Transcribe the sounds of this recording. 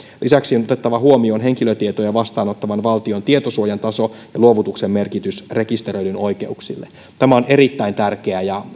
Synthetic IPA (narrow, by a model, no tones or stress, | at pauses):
lʔisæksionot̪et̪ːɑʋɑɦuomionɦe̞ŋkiløt̪iet̪ojɑʋɑst̪ɑːno̞t̪ːɑʋɑnʋɑlt̪iont̪iet̪osuojɑnt̪ɑso̞jɑluoʋut̪uksemːe̞rkit̪ysre̞kist̪eɾøɥlyno̞jk̟e̞uksilːe | t̪æmæo̞ne̞ɾit̪ːæint̪ærk̟eæjɑ